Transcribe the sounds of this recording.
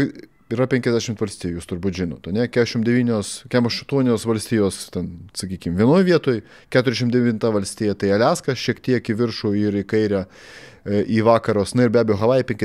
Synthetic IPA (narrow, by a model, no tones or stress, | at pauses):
ɪɾɐpʲɛŋʲkʲɛzʲdʲæːʃʲɪmt̪ʋɐlʲsʲt̪ʲiːjujuːst̪ʊɾbuːt̪ʒʲɪnoːt̪ɐnʲɛkʲæːʃɪmd̪ʲɛʋʲiːnʲoːskʲæmoʃɐt̪uɔnʲoːsʋɐlʲsʲt̪ʲiːjoːst̪ʲɛnsɐkʲiːkʲɪmʋʲiɛnoːjʋʲiɛt̪oːj | kʲæːt̪ʊɾʲɛʃɪmd̪ʲɛʋʋʲɪnt̪ɐʋɐlʲsʲt̪ʲiːjɛt̪ɐɪɐlʲæːskɐʃʲiɛkt̪ʲiɛkkɪʋʲɪɾʃoːɪɾɪkɐɪɾʲɛ | ʔiːʋɑːkɐɾoːsnʊɪɾbʲæːbʲɛjoːɦɐʋˠɑːjɛpʲɛŋʲkʲɛ